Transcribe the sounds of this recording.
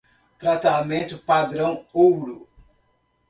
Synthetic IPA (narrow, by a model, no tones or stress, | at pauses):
t̪ɾat̪amẽnt̪ʊpad̪ɾɐ̃w̃owɾʊ